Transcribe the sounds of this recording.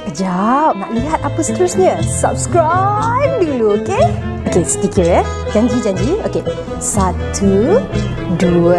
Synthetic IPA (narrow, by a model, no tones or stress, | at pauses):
d͡ʒap̚naʔliɦat̪̚apəst̪ʰəsɲə̃sa̰p̚skɹaj̚biŋluokeokest̪ikiɹɛ | d͡ʒãɲd͡ʒid͡ʒãɲd͡ʒio̰ke | sat̪ʰu | duə